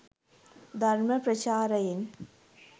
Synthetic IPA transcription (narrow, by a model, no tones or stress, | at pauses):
d̪ʱɐrmɐprɐt͡ɕaːɾɐjin